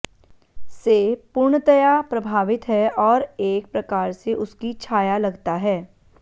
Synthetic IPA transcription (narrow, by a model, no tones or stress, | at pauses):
sepʊɾɳət̪ɐjapɾɐbʱaːʋɪt̪ɦɛɔːɾeːk̚pɾɐkaːɾseʔʊskit͡ʃʰaːjalɐɡt̪aɦɛː